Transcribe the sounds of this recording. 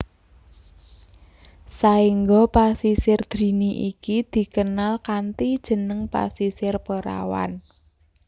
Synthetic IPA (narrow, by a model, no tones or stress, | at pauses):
saiŋɡɔpasisɪrd̪̥ɾi̤niʔikid̪̥i̤kənalkant̪id̥ʒ̥ə̤nəŋpa̰sisɪrpəɾa̰wa̰n